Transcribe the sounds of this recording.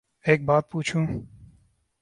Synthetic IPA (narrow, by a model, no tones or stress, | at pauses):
eːk̚baːt̪̚puːt͡ʃʰũː